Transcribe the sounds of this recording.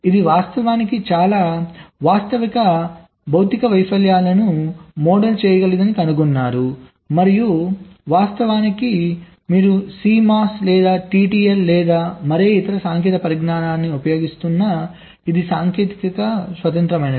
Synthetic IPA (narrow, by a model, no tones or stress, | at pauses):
id̪iʋaːst̪ɐʋaːnikit͡ʃaːlaːʋaːst̪ɐʋikɐ | bʱɐwt̪ikɐʋɐjpɐljaːlɐnumɔːɖɐlt͡ʃɛːjɐɡɐlid̪ɐnikɐnuɡunːaːɾu | mɐɾijuʋaːst̪ɐʋaːniki | miːɾusiːmaːslɛːd̪aːʈiːʈiːellɛːd̪aːmɐɾeːit̪ɐɾɐsaːŋkɛːt̪ɐpɐɾiɡnaːnaːnːiupɐjo̞ːɡist̪unːɐ | id̪isaːŋkeːt̪ikɐkɐsʋɐt̪ɐnt̪ɾɐmɐjnɐ